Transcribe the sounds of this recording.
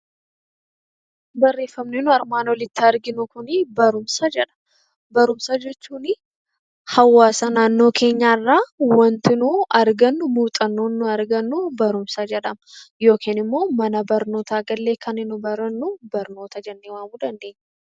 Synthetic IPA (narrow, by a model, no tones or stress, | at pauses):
bɐrːe̞ːfːɐmnɪnʊɐɾmaːnwɔlɪt̪ːɪɐɾɡɪnʊkʊnɪbɐɾʊmsɐd͡ʒɛᶑɐ̥m | bɐɾʊmsɐd͡ʒɛt͡ʃːuːnɪ | hɐwːaːsɐnaːnːo̞ːkʰe̞ːɲːaːɪrːaːwɐnt̪ɪnuɐɾɡɐnːʊmuːt̪ʼɐnːoːnːʊɐɾɡɐnːʊbɐɾʊmsɐd͡ʒɛᶑɐmɐjo̞ːkʰiːnɪmːo̞ːmɐnɐbɐɾno̞ːt̪aːɡɐlːe̞ːkʰɐnɪnʊbɐɾɐnːʊbɐɾno̞ːt̪ɐd͡ʒɛnːeːwaːmuːd̪ɐnd̪e̞ːɲː